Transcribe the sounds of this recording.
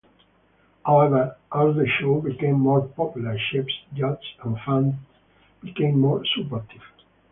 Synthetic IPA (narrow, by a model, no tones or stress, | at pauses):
hawɛvəɹʔald̪əʃobikẽmːɔɹpɔpjuləɹʃipsd͡ʒʌd͡ʒãnfãn | b̥ikẽmːɔɹsupɔɾt̪ʰiv̥